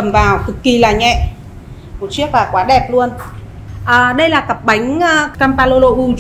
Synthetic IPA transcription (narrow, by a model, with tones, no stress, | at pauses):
ə˨˩mvaː˨˩wkɨ˨˩kːi˨˧˩laː˨˩ɲɛ̰˧˨ʔ | mo˨˩t͡ɕi˦˥ək̚laː˨˩kwaː˨˦ɗɛ˨˩p̚lu˧ən | ʔəː˨˩ɗə˧jlaː˨˩kə˨˩p̚ɓa˨˦jŋ̟ʔːkaː˧mpaː˧lo˧lo˧ʔu˧